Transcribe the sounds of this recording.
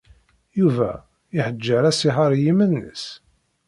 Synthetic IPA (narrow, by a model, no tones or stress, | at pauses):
juvæ̰ | iħəd͡ʒːəɾæsiɦɑɾˤjimənːə̰s